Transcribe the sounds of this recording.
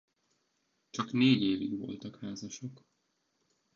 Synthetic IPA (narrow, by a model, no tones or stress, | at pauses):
t͡ʃɒkneːɟeːviɡʋo̞̰lt̪ɒkhaːzɒʃo̞k